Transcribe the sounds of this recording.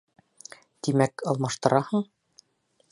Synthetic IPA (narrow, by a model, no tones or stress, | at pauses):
t̪imækɒlˠmɑʃt̪ɤ̆ɾɑhɤɴ